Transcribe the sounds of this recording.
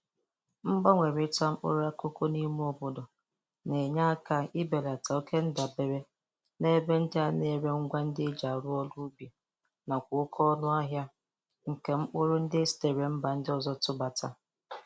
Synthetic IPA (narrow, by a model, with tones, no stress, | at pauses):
m̩˦ba˦ŋʷe˨ɾɪ˨˦ta˦m̩˦k͡po˦ɾʊ˦a˦ko˦ko˦ni˦mu˦ɔ˦bɔ˨dɔ˨ | ne˨ɲa˦a˦ka˦ɪ˦be˨la˨ta˨o˦ke˦n̩˦da˨be˨ɾe˦ | ne˦be˦n̩˦dɪ˦a˦ne˦˨ɾe˦ŋ̩˦ɡʷa˦n̩˦dɪ˦d͡ʒa˨ɾʊ˦ɔ˦lʊ˦be˨ | na˨kʷʊ˨ʊ˦kʰɔ˦nʊ˦a˦ɦja˦ | ŋ̩˨ke˨ŋ͡m̩˦k͡pʊ˦ɾʊ˦n̩˦dɪ˦si̥˦˨te˨ɾe˨m̩˦ba˨n̩˦dɪ˦ɔ˨zɔ˦tʊ˦ba˨tʰa̰˦